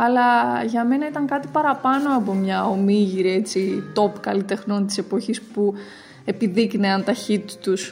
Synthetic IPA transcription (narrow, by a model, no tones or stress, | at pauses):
ɐlɐʝɐme̞nɐit̪ɐŋkɐt̪ipɐɾɐpɐno̞ɐpomɲɐo̞miʝiɾie̞t͡sit̪o̞pkɐlit̪e̞xno̞nt̪i̥se̞po̞çispu | e̞piðikneɐnt̪ɐçit̪i̥t̪us